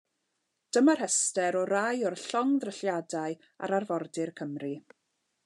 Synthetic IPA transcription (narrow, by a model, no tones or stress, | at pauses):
d̥əmarhɛstɛɾɔɾajɔrɬɔŋðrəɬjadaɨ | a̰ɾarvɔrdɪrkʰəmri